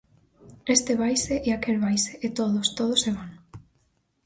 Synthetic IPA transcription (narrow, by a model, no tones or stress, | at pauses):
est̪eβajseʔeakelβajseʔet̪oðost̪oð̞oseβaŋ